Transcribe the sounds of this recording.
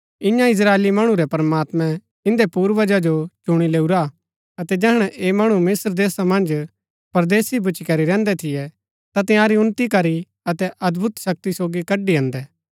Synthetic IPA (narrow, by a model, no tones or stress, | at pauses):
ɪ̃jãɪs̬ɾaːeːlimɐɽ̃ũɾɛpɐɾmaːt̪mɛ̃ | ɪ̃nd̪epuːɾʋɐd͡ʒad͡ʒot͡ʃʊɽ̃ileːuɾa | ɐt̪ɛd͡ʒɛːɽ̃ɛʔeːmɐɽ̃umɪsɾd̪eːsamɐ̃nd͡ʒ | pɐɾd̪eːsibʱʊt͡ʃikɐɾiɾɛ̃ːnd̪ɛt̪ʰɪjɛ | t̪at̪ɪ̃jãːɾiʊnt̪ikɐɾi | ɐt̪ɛʔɐd̪bʱʊt̪ʃɐk̚t̪isoːɡikɐɖiɐ̃ːnd̪ɛː